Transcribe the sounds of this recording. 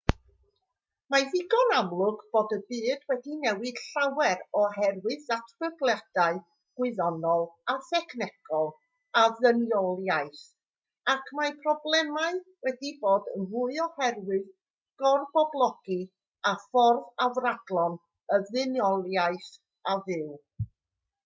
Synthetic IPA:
maðɪɡɔnamlˠʊɡb̥oːdəbɨːd̥wɛdinɛwɨd̥ɬawɛɾɔhɛrwɨðatʰb̥əblˠjad̥aɨ | ɡ̥wɪɨðɔnɔlˠaθɛkʰnɛkʰɔlˠ | aðənjɔlˠjajθ | akʰmapʰrɔblˠɛmaɨwɛdiboːdənvʊɨɔhɛrwɨð | ɡ̥ɔrbɔblˠɔɡ̥i | afɔrðavraɡlˠɔn | əðɨnjɔlˠjaɨθ | aðɪw

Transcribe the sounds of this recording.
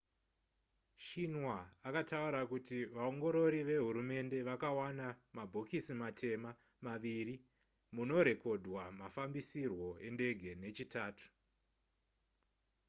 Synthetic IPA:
ʃinwaakatauɾakutiʋao̞ŋɡo̞ɾo̞ɾiʋe̞ɦuɾume̞nde̞ʋakawanamabʱo̞kisimatʰe̞ma | maʋiri | muno̞ɾe̞ko̞dʱwamafambisirwo̞e̞nde̞ɡʱe̞ne̞t͡ʃitaːtu̥

